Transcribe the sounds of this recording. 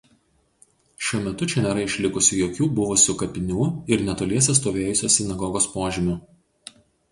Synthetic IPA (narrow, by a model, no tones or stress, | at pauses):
ʃʲuɔmʲɛt̪ʊt͡ʃʲɛnʲeːɾɐɪʃʲlʲɪkʊsʲʊjoːkʲuːbʊʋʊsʲʊkɐpʲɪnʲuːɪɾnʲɛt̪oːlʲiɛsʲɛs̬t̪oːʋʲeːjʊsʲoːsʲɪnɐɡɔɡoːspoːʒʲɪmʲʊ